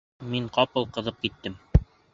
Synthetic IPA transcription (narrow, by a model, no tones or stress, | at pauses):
miɴqɑpɤlˠqɤ̆ðɤp̚kit̪ːɘm